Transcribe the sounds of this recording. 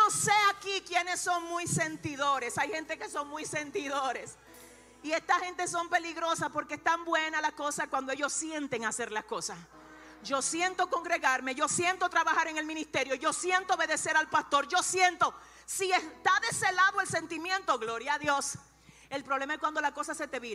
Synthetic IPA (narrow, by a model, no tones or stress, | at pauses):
noseakikjenesːo̞ŋmujse̞nt̪iðo̞ɾe̞sajhe̞nt̪e̞ke̞so̞ŋmujse̞nt̪iðoɾe̞s | ie̞st̪ahe̞nt̪e̞s̬o̞mpe̞liɣɾo̞saspo̞ɾkeest̪ambwe̞nalasko̞sakwand̪oe̞ʝo̞ssje̞nt̪eŋase̞ɾlasko̞sas | ʝo̞sjent̪o̞ko̞ŋɡɾe̞ɣaɾme̞ʝo̞sje̞nt̪o̞t̪ɾaβahaɾe̞ŋe̞lmĩnist̪e̞ɾjo̞ʝo̞sje̞nt̪ooβeðe̞seɾalpast̪o̞ɾʝo̞sje̞nt̪o̞ | siest̪aðe̞selaðoe̞lse̞nt̪imjẽ̞nt̪o̞ɣlo̞ɾjaːðjo̞s | e̞lpɾo̞βlemaeskwand̪o̞lako̞sase̞t̪e̞βiɾa